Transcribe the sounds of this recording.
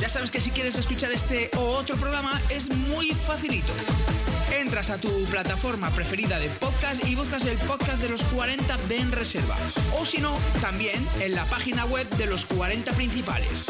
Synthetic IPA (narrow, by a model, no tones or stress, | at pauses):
ɟ͡ʝasaβ̞e̞ske̞sikje̞ɾe̞s̬e̞skut͡ʃaɾe̞st̪e̞ʔoot̪ɾop̬ɾo̞ɣ̞ɾamae̞zmujfaθilit̪o̞̰ | e̞nt̪ɾasat̪uplat̪afo̞ɾmapɾe̞fe̞ɾiðað̞e̞poðkasiβ̞uθkase̞lpoðkazðe̞lo̞skwaɾe̞nt̪abenre̞se̞ɾβa̰osino̞t̪ambje̞nenlapaxinaɣwe̞βðe̞lo̞skwaɾe̞nt̪apɾĩn̟θipa̰le̞̰s